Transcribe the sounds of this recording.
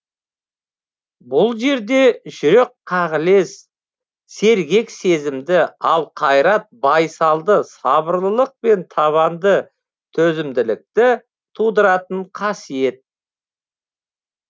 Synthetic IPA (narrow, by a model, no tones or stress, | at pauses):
bʊlˠʒe̞ɾd̪e̞ʒʏɾekʰːɑʁəle̞s | se̞ɾɡʲe̞kse̞zɪmd̪ɪɑlˠqʰɑjɾɑt̪̚bɑjsɑlˠd̪əsɑbəɾlˠəlˠəq̚pe̞nt̪ʰɑβɑnd̪ə | t̪ʰɵzɪmd̪ɪlɪk̚t̪ɪ | t̪ʰud̪əɾɑt̪əɴqʰɑsije̞t̪̚